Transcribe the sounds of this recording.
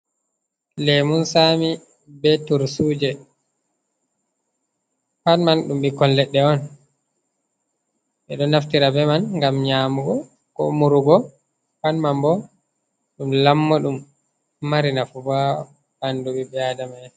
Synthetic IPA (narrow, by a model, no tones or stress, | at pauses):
lɛmunsami | bɛtuɾsud͡ʒɛ | panmanɗumbikɔnlɛɗːɛɔn | ɓɛɗɔnaftiɾabɛmanŋɡamɲaːmuɡɔ | kɔ̰muɾuɡɔ | panmambɔ | ɗumlamːɔɗumː | aɾinafubaɔ | panduɓibɛadamaj